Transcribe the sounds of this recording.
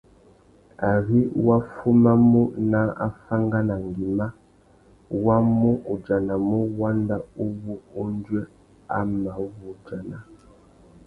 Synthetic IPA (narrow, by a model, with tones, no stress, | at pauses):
a˨ɣi˦wa˦fu˦ma˦mu˦na˦a̰˦fa˦ŋɡa˦na˨ŋ˨ɡi˨ma˦ | wa˦mu˦ʔu˨d͡ʒa˨na˨mu˦wa˦nda˦u˦βu˦u˦n˦d͡ʒwɛ˦ | a˦ma˨˦βu˨d͡ʒa˨na˨